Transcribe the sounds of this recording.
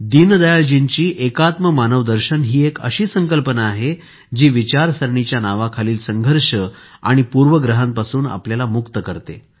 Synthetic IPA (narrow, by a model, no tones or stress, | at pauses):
d̪ind̪əjald͡ʑiɲt͡ɕiːʔekat̪məmanəʋd̪əɾɕənɦiːekə̰ɕiːsəŋkəlpənaːɦe | d͡ʑiːʋit͡ɕaɾsəɾɳit͡ɕjanaʋakʰaliːlsəŋɡʱəɾɕə | a̰ɽ̃ipuɾʋəɡɾəɦənpasuːna̰pljalamukt̪əkəɾt̪ḛ